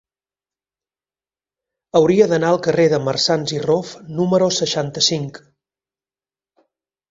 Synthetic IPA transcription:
əwɾiəðənaəlˠkəreðəmərsanzirofnuməɾosəʃant̪əsiŋk

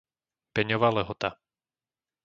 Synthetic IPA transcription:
pɛɲɔʋaːlɛɦɔt̪a

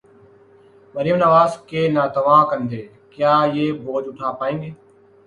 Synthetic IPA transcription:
məɾɪjəmnəʋaːzkeːnaːt̪əʋãːkənd̪eː | kjaːjeːboːd͡ʒʊʈʰaːpaːẽːŋɡeː

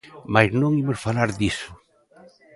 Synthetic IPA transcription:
majznõŋimʊsfalaɾðisʊ

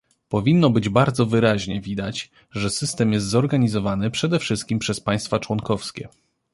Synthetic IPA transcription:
pɔvʲinːɔbɘd͡ʑbaɾd̪zɔvɘɾaʑɲɛvʲid̪at͡ɕ | ʐɛsɘst̪ɛmjɛst̪zɔɾɡaɲizɔvanɘpʂɛd̪ɛfʂɘst̪̚kʲimpʂɛspaj̃st̪fat͡ʂwɔnkɔfskʲɛ̰

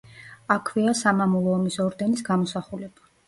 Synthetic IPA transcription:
akʰviasamamulˠɔːmisɔɾd̪ɛnisɡamɔsaχulɛb̥a

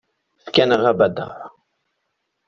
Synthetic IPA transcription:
fkænəʁæbæd̪ə̰ʕ

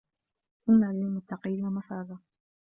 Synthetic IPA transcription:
ʔʊnːaːlɪmʊt̪ːɑqiːnwamafaːza

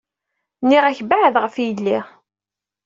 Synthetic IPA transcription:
nːiʁæçbaʕðʁəfjəlːiʁ

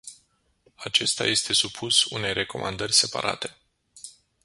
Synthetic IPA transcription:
at͡ʃe̞st̪a̰je̞st̪e̞supʰusune̞jre̞ko̞̰mand̪ərʲse̞pa̰ɾʔa̰t̪e̞̥

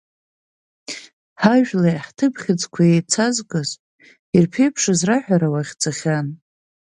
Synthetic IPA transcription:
ħaʒᶣlajħtʰɨpχʲɪd͡zkʷʰajejt͡sʰazkʼɨzʼ | irpʰe̞jpʰʂɨzraħʷᶣaɾawaχʲt͡sʰaχʲan

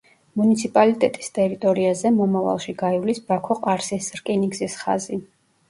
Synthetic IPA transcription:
munit̪sʰipʼalit̪ʼɛt̪ʼi̥st̪ʼɛɾit̪ʼɔɾiazɛmɔmava̰lˠʃiɡaivlisbakʰɔqʼaɾsisɾkʼiniɡzisχa̰zi

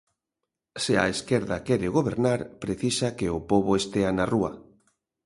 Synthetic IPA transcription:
sea̰eskɛɾðakɛɾeɣoβeɾnaɾpɾeθisakeopoβoest̪eanarua

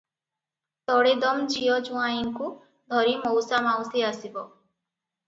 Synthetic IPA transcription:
t̪ɔɽed̪ɔmd͡ʒijɔd͡ʒũaiŋku | d̪ʱɔɾimɔwsamawsiasibɔ

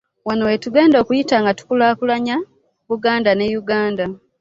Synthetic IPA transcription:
wanowetuɡe̞ːndo̞kujitaːŋɡatu̥kulaːkulaɲa | βuɡaːndane̞juɡaːnda

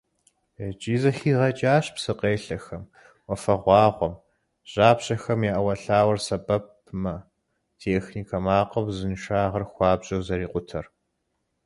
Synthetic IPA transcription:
d͡ʒʼiːzɐxiːʁɐt͡ʃʼaːɕpsɨqeːɬɐxɐm | wɔfɐʁʷɑːʁʷɔm | ɕʼaːpɕɐxɐmjaʔɐwɐɬaːwɐrsɐbɐp̚ | mɐ | tʰeːxniːkʰɐmaːqɐwzɨnʃaːʁɐrxʷɑːbʑʼɐwzɐɾiːqʷʼʊtʰɐr

